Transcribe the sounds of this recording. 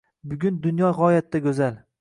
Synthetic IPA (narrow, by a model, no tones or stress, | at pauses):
bʊɡʲʊnd̪ʊnjɒʁɒjat̪ʰːakʲɵzal